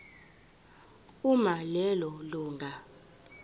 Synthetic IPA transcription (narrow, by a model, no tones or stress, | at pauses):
umalɛlɔluːŋɡʱa